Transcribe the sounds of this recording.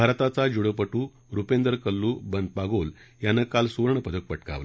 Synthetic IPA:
bʱaɾt̪at͡sad͡ʑuɽəpəʈuː | ɾupẽnd̪əɾkəlːuːbənd̪̚paɡol | janəkalsuɾɳəpəd̪ʱək̚pəʈka̰ʋə

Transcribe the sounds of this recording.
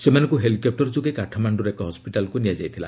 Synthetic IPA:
semanɔŋkuɦelikep̚ʈɔɾd͡ʒuɡekaʈʰɔmaɳɖuɾekɔɦɔspiʈalkunijad͡ʒajt̪ʰila̰

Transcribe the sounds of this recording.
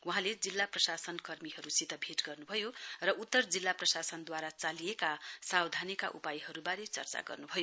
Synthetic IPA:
wuɦãled͡zilːaprʌsasʌnkʌrmiɦʌɾusit̪ʌbʱeʈɡʌrnubʱʌjorʌut̪ːʌrd͡zilːaprʌsasʌnd̪waɾat͡salijekasawd̪ʱanika̰ʔṵpajɦʌɾubaɾet͡sʌ̰rt͡sa̰ɡʌ̰rnubʱʌjo

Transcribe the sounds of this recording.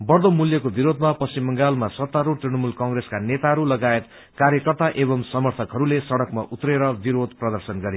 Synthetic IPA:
bʌrd̪omuljʌkobiɾod̪mapʌst͡ɕimːʌŋɡalmasʌt̪ːaɾoʈ̪rinʌmulkʌŋɡreskanet̪aɦʌɾulʌɡaet̪ | kaɾjʌkʌrt̪aʔebʌmsʌmʌrt̪ʰʌkɦʌɾulesʌɽʌkmaʔut̪ɾeɾʌbiɾod̪prʌd̪ʌrsʌnɡʌɾe

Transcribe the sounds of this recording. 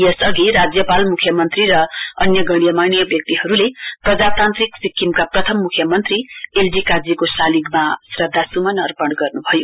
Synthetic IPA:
esʌɡiɾad͡zjʌpalmukʰjʌmʌnt̪riɾʌʌnjʌɡʌɽ̃ijʌmanijʌbjʌk̚t̪iɦʌɾuleprʌd͡zat̪ant̪riksikːimkaprʌt̪ʰʌmːukʰjʌmʌnt̪rielbikad͡zikosaliɡmasrʌd̪ʱːasumʌnʌrpʌɳɡʌrnubʱʌjo

